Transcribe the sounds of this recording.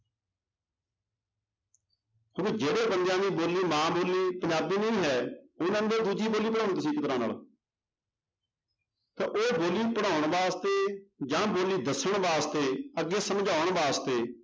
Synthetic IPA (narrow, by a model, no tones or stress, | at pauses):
ɦoːked͡ʒeːɽeːbənd̪jãːniːboːliːmãːboːliːpəɲd͡ʒaːbiːnəĩːɦɛːʊnɛ̃ːnd̪od̪uːd͡ʒiːboːliːpəɽaːʊɳt̪əsĩːkt̪əɾãːna̰ːl | t̪ãːʔoːboːliːpəɽaːʊɳ̃ʋaːst̪eːd͡ʒãːboːliːd̪əsəɳʋaːst̪eːəɡːeːsəmd͡ʒaːʊəɳʋaːst̪eː